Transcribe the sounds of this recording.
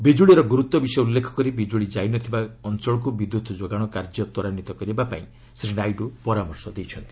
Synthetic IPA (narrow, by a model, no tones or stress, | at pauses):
bid͡ʒuɭiɾɔɡuɾut̪ːɔbisɔjɔulːekʰɔ̥kɔɾibid͡ʒuɭid͡ʒajnɔt̪ʰibaɔnt͡ʃɔɭɔk̬ubid̪jut̪ɔd͡ʒoɡaɽ̃ɔkaɾd͡ʒɔt̪wɔɾanit̪ɔkɔɾibapa̰ĩ | sɾinajɖupɔɾamɔɾsɔd̪ejt͡ʃʰɔnt̪i̥